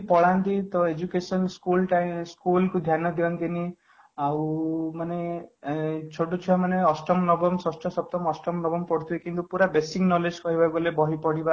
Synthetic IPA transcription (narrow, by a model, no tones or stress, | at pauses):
pɔɽant̪it̪ɔed͡ʒukesɔnskulʈajmskulkud̪ʱjanɔd̪iɔnt̪ini | awmane | t͡ʃʰoʈot͡ʃʰibamaneɔsʈɔmnɔbɔmsɔsʈʰɔsɔb̚t̪ɔmɔsʈɔmnɔbɔmpɔɽt̪ʰiekint̪upuɾabesiŋnɔled͡ʒkɔɦibaɡolebɔɦipɔɽiba